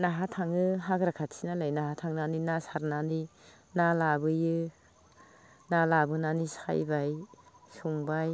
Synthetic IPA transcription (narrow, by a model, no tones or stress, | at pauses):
naɦatʰaŋɯɦaɡɾakʰatsinalajnaɦatʰaŋnaninasaɾnani | nalabɯjɯ | nalabɯnanisa̰jbaj | suŋbaj